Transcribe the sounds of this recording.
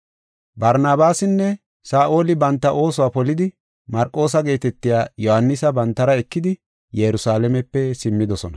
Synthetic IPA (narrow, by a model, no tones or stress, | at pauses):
bɐɾnaːbaːsɪnːɛ | saːʔo̞ːlɪbɐnt̪ːɐʔo̞ːsɔwaːpɔlɪd̪ɪ | mɐɾkʼːo̞ːsɐɡe̞ːt̪ɛt̪ːɪjaːjɔhɐnːɪsɐbɐnt̪ːɐɾɐɛkːɪd̪ɪ | jɛɾʊsaːlɛmɛpːɛsɪmːɪd̪ɔsɔnɐ